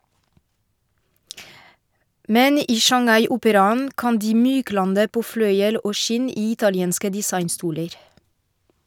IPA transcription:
ˈmɛn ˈiː ʃɑŋˈɑɪ ˈʔʊpəɾɑnn̩ ˈkɑn ˈdiː ˈmyːˌklɑndə ˈpoː ˈflœʏəl ˈʔoː ˈʃɪn ˈiː ˈɪtɑlɪɛnskə dɪˈsɑɪnˌstuːləɾ

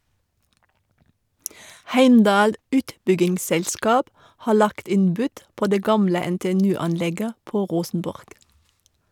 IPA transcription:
ˈhæɪmdɑːl ˈʉːtbʏɡɪŋsˌsɛlskɑːp ˈhɑː ˈɭɑkt ˈɪn ˈbʉd ˈpoː ˈdeː ˈɡɑmlə ɛnteːɛˈnʉː ˈɑnˌlɛɡə ˈpoː ˈʁuːsənbɔʁɡ

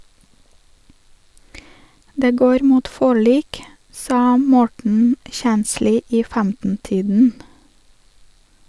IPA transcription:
ˈdeː ˈɡoːɾ ˈmuːt ˈfɔɭiːk ˈsɑː ˈmɔʈɳ̩ ˈçænsliː ˈiː ˈfæmtn̩ ˈtiːdn̩

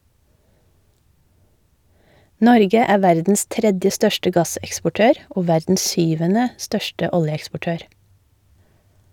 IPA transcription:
ˈnɔɾɡə ˈæːɾ ˈʋæɾdn̩s ˈtɾɛdjə ˈstœʃtə ˈɡɑsɛkspɔˌʈøːɾ ˈoː ˈʋæɾdn̩s ˈsʏʋənə ˈstœʃtə ˈɔljəɛkspɔˌʈøːɾ

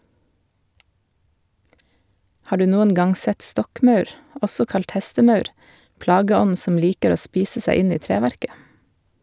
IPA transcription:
ˈhɑː ˈɖʉː ˈnuːən ˈɡɑŋ ˈsɛt ˈstɔkˌmɑʉɾ ˈʔɔsɔ ˈkɑlt ˈhɛstəˌmɑʉɾ ˈplɑːɡəˌɔnn̩ ˈsɔm ˈliːkəɾ ˈoː ˈspiːsə ˈsæɪ ˈɪn ˈiː ˈtɾeːˌʋæɾkə

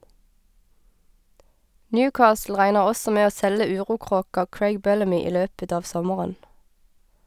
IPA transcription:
ˈnjʉːˌkɑːsl̩ ˈʁæɪnəʁ ˈɔsɔ ˈmeː ˈoː ˈsɛlə ˈʉːʁuːˌkʁoːkɑ ˈkɹæɪɡ ˈbɛləmʏ ˈiː ˈløːpət ˈɑː ˈʋsɔməʁən

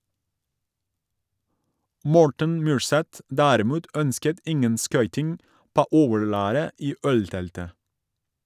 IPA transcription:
ˈmɔɹʈən ˈmyːɹˌsɛt ˈdæːɾɪˌmuːt ˈœnskət ˈɪŋən ˈskœʏtɪŋ ˈpoː ˈoːʋəɹˌlæːɾə ˈiː ˈœlˌtɛltə

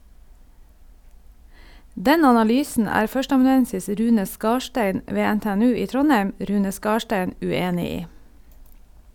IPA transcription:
ˈdɛn ɑnɑˈlyːsən ˈæːɾ ˈfœʃtəɑmɑnʉˌɛnsɪs ˈɾʉːnə ˈskɑːʃʈæɪn ˈʋeː ɛnteːɛˈnʉː ˈiː ˈtɾɔnhɛm ˈɾʉːnə ˈskɑːʃʈɛn ʉˈeːnɪ ˈiː

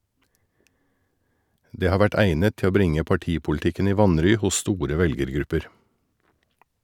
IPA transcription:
ˈdeː ˈhɑː ˈʋæʈ ˈæɪnət ˈtɪ ˈoː ˈbɾɪŋə pɑˈʈiːpʊlɪˌtɪkən ˈiː ˈʋɑnɾyː ˈhʊs ˈstuːɾə ˈʋɛlɡəɾˌɡɾʉpəɾ

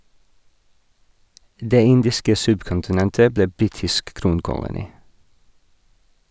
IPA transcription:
ˈdeː ˈɪndɪskə ˈsʉbkʊntɪˌnɛntə ˈbleː ˈbɾiːtɪsk ˈkɾuːnkʊlʊniː

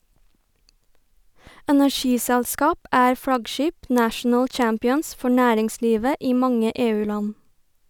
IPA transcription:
ɛnæˈʃiːsɛɭˌskɑːp ˈæːɾ ˈfɽɑɡˌʃiːp ˈnæːʃɳ̩ə ˈt͡ʃɑmpɪəns ˈfɔ ˈnæːɾɪŋˌsliːʋə ˈiː ˈmɑŋə ˈeːˌʉːˌlɑn

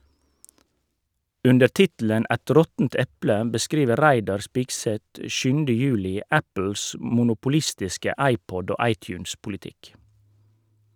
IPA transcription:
ˈʉndə ˈʈɪtl̩ən ˈʔæt ˈɾɔtn̩t ˈɛplə bəˈskɾiːʋəɾ ˈɾæɪdɑɾ ˈspɪɡsɛt ə ˈʃʉːn̩də ˈjʉːlɪ ˈæpl̩s mʊnʊpʊˈlɪstɪskə ˈɑɪˌpɔd ˈoː ˈɑɪˌtjʉːnspʊlɪˌtɪk

